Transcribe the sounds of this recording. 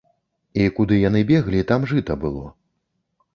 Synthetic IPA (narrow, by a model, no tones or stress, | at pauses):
ikud̪ɨjan̪ɨbʲɛɣlʲit̪amʐɨt̪ɐbɨlˠɔ̰